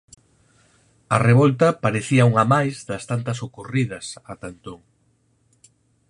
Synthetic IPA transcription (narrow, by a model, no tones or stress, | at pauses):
ɐreβɔlt̪ɐpaɾeθiɐuŋɐmajzðɐst̪ant̪ɐsokorið̞ɐsɐt̪ant̪oŋ